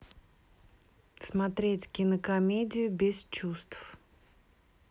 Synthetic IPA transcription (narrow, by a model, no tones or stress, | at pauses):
smɐt̪ɾʲetʲkʲɪnəkɐmʲedʲɪjʊbʲɪst͡ɕust̪f